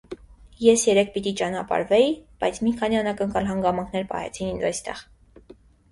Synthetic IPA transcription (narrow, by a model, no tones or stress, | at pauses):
jɛsjɛɾɛk̚ʰpit̪it͡ʃɑnɑpɑ̰ɾvɛib̥ɑjt͡sʰmikʰɑniɑnɑkəŋkɑlɦɑŋɡɑmɑŋkʰnɛɾpɑ̰hɛ̰t͡sʰinind̪ɑjst̪ɛ̰ʁ